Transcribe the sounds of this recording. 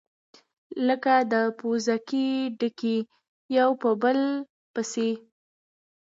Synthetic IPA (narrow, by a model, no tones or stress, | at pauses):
ləkad̪əpozakiɖəki | jawpəbəl | pəse